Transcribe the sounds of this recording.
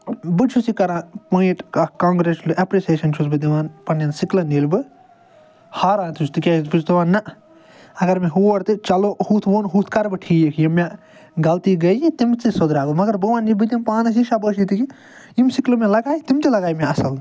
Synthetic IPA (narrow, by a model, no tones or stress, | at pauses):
bɨt͡ʃʰusikɐɾãːpoːĩʈkɐkãːŋɡɾeslɨʔɐpɾeseːʃɐnt͡ʃʰusbɨd̪iʋaːnpɐnɐnsiklɐniːlbɨ | haːɾãːnt̪ʰut͡ʃʰt̪ɨkʲaːibɨt͡ʃt̪uʋaːnːɐ | ɐɡɐɾmẽɦuːɐɽt̪ɨt͡ʃɐlohuːt̪ʰʋoːnɦuːt̪ʰkɐɾbɨʈʰiːkʰjimːã | ɡɐlt̪iɡɐjĩt̪imt͡sisod̪ɾaːɡɨmɐɡɐɾbɐʋãːnilbɨd̪impãːnɐs̬iʃabəːʃit̪iki | imsiklɨmẽlɐɡaːit̪imt̪ilɐɡaːjimʲãɐsɐl